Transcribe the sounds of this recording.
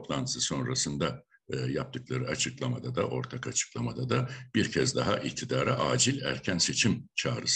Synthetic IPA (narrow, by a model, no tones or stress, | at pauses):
oplˠant̪ʰɯ̥sɯso̞nɾasɯnd̪a | jap̚t̪ʰɯklˠaɾɯat͡ʃʰɯklˠamad̪ad̪aʔo̞ɾt̪ʰakat͡ʃʰɯ̥klˠamad̪ad̪ab̥iɾcʰɛzd̪aɦaʔict̪ʰid̪aːɾaʔaːd͡ʒilʲæ̰ɾcʰænse̞t͡ʃʰimt͡ʃʰaːɾɯs